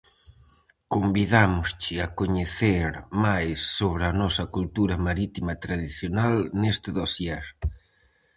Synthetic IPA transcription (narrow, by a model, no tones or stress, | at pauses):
kombiðamʊst͡ʃɪakoɲeθeɾmajsːoβ̞ɾɪɐnɔsɐkult̪uɾɐmaɾit̪imɐt̪ɾað̞iθjonalnest̪ɪðosjɛɾ